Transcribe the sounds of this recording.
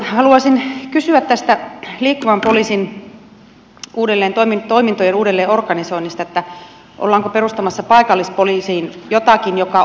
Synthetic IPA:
hɑluɑsinkysyæt̪t̪æst̪æliːkːuʋɑmpoliːsin | ʔuːdelːeːnt̪oimint̪oimint̪ojenuːdelːeːorkɑnisoinːist̪ɑet̪ːæ | ʔo̰lːɑːŋkoperust̪ɑmɑsːɑpɑikɑlːispolisiːnjot̪ɑkinjokɑ

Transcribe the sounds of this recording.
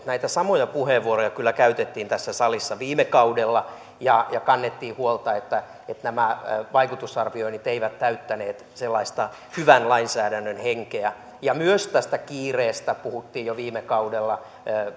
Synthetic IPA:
næit̪æsɑmojɑpuheʋʋːuorojɑkylːækæyt̪et̪ːiːnt̪æsːæsɑlisːɑʋiːmekɑudelːɑ | jɑjɑkɑnːet̪ːiːhuolt̪ɑet̪ːæ | et̪næmæʋɑikut̪usɑrʋioinit̪eiʋæt̪t̪æyt̪ːæneːt̪selːɑist̪ɑ | hyʋænlɑinsæːdænːønheŋkeæ | jɑmyøst̪æst̪ækiːreːst̪æpuhut̪ːiːjjoʋiːmekɑudelːɑː

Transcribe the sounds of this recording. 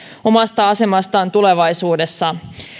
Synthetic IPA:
o̞mɑst̪ɑɑse̞mɑst̪ɑːnt̪ule̞ʋɑjsuːde̞sːɑ

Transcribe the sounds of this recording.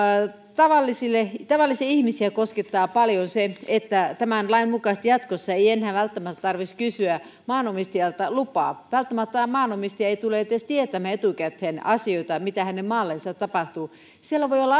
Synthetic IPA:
t̪ɑʋɑlːisilːet̪ɑʋɑlːisiɑihmisiækosket̪ːɑːpɑljonseet̪ːæt̪æmænlɑimmukɑst̪jɑt̪kosːɑeienhæʋælt̪ːæmæt̪ːt̪ɑrʋiskysyæ | mɑːnomist̪iɑlt̪ɑlupɑ̰ːʋælt̪ːæmæt̪ːmɑːnomist̪iɑeit̪uleet̪ːest̪iet̪æmæet̪ukæt̪henɑsioit̪ɑmit̪æhænemmɑːlːensɑt̪t̪ːɑpɑht̪u | sielæʋoiolːɑ

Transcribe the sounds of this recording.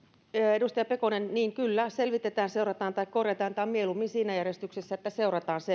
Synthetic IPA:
edust̪ɑjɑpekonenniːŋkylːæselʋit̪et̪æːnseurɑt̪ɑːnt̪ɑikkorjet̪ɑːnt̪ɑːmmielumːinsiːnæjærjest̪yksesːæet̪ːæseurɑt̪ɑːnse

